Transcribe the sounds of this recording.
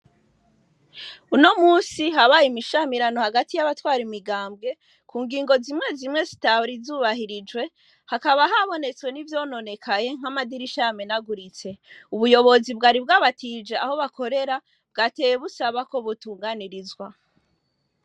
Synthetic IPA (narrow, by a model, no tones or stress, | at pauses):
uno̞muːsiɦaβajimiʃamiɾano̞haɡatijaβatwaːɾimiɡaːmbɡe̞ | kʰuːŋɡiːŋɡo̞zimŋe̞zimŋe̞zitawɾizuːβaɦiɾid͡ʒɡwe̞ | hakaβaɦaβo̞ne̞t͡swe̞nivjo̞ːno̞ne̞kʰaje̞ŋ̥hamadiɾiʃamenaɡuɾit͡se̞uβujo̞βo̞zibɡaːɾib̚ɡaːβatʰiːd͡ʒe̞aho̞βako̞ɾe̞ɾa | b̥̚ɡaːte̞jeβusaβako̞βutuːŋɡaniɾizɡwa